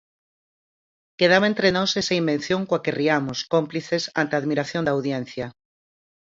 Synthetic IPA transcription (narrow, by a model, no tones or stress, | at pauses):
keð̞aβẽnt̪ɾenɔsesɐimben̟θjoŋkwakeriamoskompliθesant̪eaðmiɾaθjõnd̪awðjẽn̟θjɐ